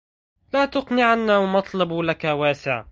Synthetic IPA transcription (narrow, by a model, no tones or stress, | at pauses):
laːt̪ʊqnɪʕanːawmɑt̪ˤlɑbulakawaːsɪʕ